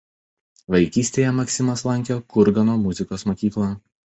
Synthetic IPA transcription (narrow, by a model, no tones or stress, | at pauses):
ʋɐɪkʲiːsʲt̪ʲeːjɛmɐksʲɪmɐslˠɐŋʲkʲoːkʊɾɡɐnoːmʊzʲɪkoːsmoːkʲiːklˠɑː